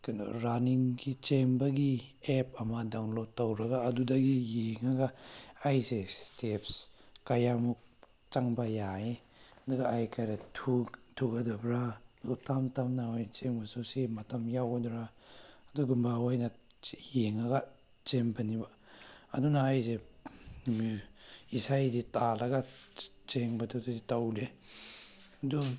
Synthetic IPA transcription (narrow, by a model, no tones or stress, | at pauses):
kano̰ɾaniŋɡit͡ʃembɐɡiepɐmadawnlɔtːawɾɐɡaːdudɐɡijeŋaɡaajsestʰepskajamuk̚ | t͡ʃaŋbajae | aduɡaajkʰajɾatʰutʰuɡɐdabɾaɡutamtamnaɔjt͡ʃeŋbasusimatamjawdɾaːduɡumbawajnajeŋaɡa | t͡ʃeŋbaniba̰ː | dunaːjze | miisajditalaɡa | t͡ʃeŋbadududitawle | du